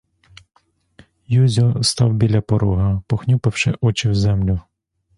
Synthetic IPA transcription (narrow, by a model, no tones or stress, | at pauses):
juzʲɔst̪ɑwbʲilʲɐpɔɾuɦɐpɔxnʲupɪwʃɪ̰ʔɔt͡ʃɪwzɛmlʲʊ